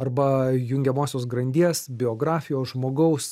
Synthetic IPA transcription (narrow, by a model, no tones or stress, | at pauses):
ɐɾbɐjʊŋʲɡʲɛmoːsʲoːs̬ɡɾɐnʲd̪ʲiɛsbʲɪoːɡɾɑːfʲɪjoːsʒmoːɡɐʊs